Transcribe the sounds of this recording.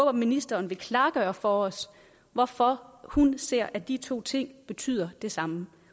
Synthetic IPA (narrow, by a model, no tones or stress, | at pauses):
ob̥ɐminisd̥ɐːnʋe̝kʰlɑ̈ːɡ̥œɐfɒɒ̽s | ʋɒfɒhunse̝ɐ̰ʔæd̥it͡sʰo̝̰ːt͡sʰe̝ŋ̰b̥e̝t͡sʰy̰ð̰ˠɐd̥e̝sɑ̈mə